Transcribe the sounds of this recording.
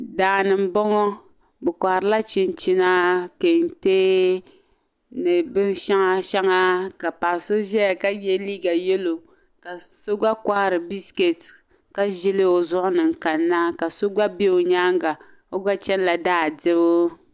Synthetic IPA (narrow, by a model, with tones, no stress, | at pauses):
daː˨nɨ˨m̩˦bɔ˦ŋɔ˦ | bɛ˨kʷa˨hɾɨ˦la˦t͡ʃi˦nt͡ʃi˦na˦ke˨n˨teː˦ | nɨ˨bɨ˦nʃa˦ŋa˦ʃa˦ŋa˦ka˨pa˨so˦ʒɛ˦a˨ka˦jɛ˦liː˦ɡa˨jɛ˦lo˨ | ka˨so˦ɡ͡ba˦kʷa˦˨ɾɨ˨bi˦ske˨t | ka˦ʒɪ˦lɪ˦o˨zʊ˦ʔʊ˦nɨ˨ŋ˨ka˨nːa˦ka˨so˦ɡ͡ba˦be˦o˨ɲaː˦ŋ˦ɡa˨ | o˦ɡ͡ba˦t͡ʃɛ˦n˦la˨daː˦˨dɪ˦bo˦